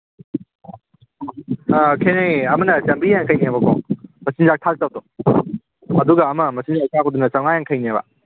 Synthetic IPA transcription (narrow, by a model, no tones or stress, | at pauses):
kʰenejɐmɐnɐsɐmbijaŋkʰɐjniabɐkʰɔ̰mɐsinzak̚tʰak̚tɐwtɔ | ɐduɡɐːmɐmɐsinzak̚tʰakʰodunɐt͡ʃawnajaŋkʰɐjnabɐ̰